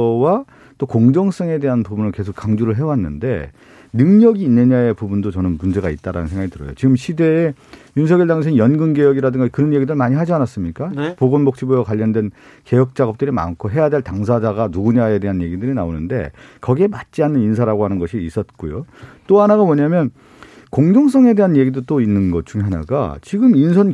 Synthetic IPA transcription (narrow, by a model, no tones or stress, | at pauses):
wa | t͈okoŋd͡ʑʌŋs͈ʌŋede̞ɦanpubunɯɭke̞sʰok͈aŋd͡ʑuɾɯɭɦe̞wanːɯnde̞̰ | nɯŋɲʌɡiːnːeɲae̞pubundot͡ɕʌnɯnmund͡ʑe̞ɡait̚t͈aɾanɯnsʰŋɡaitɯɾʌ̰jot͡ɕiɡɯmɕʰide̞ːjunsʰʌɡjʌɭdaŋs̬ʰeŋijʌnɡɯnɡe̞jʌɡiɾadɯŋɡakɯɾʌnje̞ɡidɯɭmaɲiɦad͡ʑianas͈ɯmɲik͈apoɡonbok̚t͡ɕ͈ibojakwaʎːʌndwe̞n | ke̞jʌk̚t͡ɕ͈aɡʌp̚t͈ɯɾima̰nkʰoɦe̞jade̞ɭtaŋsʰad͡ʑaɡanuɡuɲae̞de̞ɦanje̞ɡidɯɾinaonɯnde̞̰kʌɡiemat̚t͡ɕ͈ianːɯninsʰaɾaɡohanɯnɡʌɕʰiːs͈ʌt̚k͈ujot͈oɦanaɡamʌɲamjʌn | koŋd͡ʑoŋs̬͈ʌŋe̞de̞ɦanje̞ɡidot͈oinːɯnɡʌt͡ɕʰuŋɦana̰ɡa̰t͡ɕiɡɯminsʰʌn